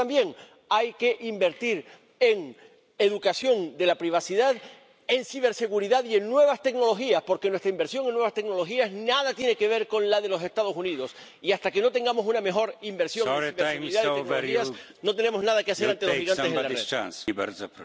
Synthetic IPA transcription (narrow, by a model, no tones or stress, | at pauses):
ambje̞ŋ | ajke̞ʔimbe̞ɾt̪iɾ | e̞ŋ | e̞ðukasjo̞nd̪e̞lapɾiβ̞asiðað | e̞nsiβ̞e̞ɾse̞ɣuɾiðaðie̞ŋnwe̞β̞ast̪e̞kno̞lo̞xiaspo̞ɾke̞nwest̪ɾaimbeɾsjo̞ŋenːwe̞βast̪ek̚no̞lo̞xiasnað̞at̪jene̞ke̞β̞e̞ɾko̞nlaðe̞lo̞se̞st̪að̞o̞suniðo̞s | iast̪ake̞no̞t̪e̞ŋɡamo̞suname̞xo̞ɾimbeɾsjo̞ŋẽiβeseuiðaðienias | no̞t̪e̞ne̞mo̞znaðakeaseɾant̪eloiɣanselarða̰nsbeɾtp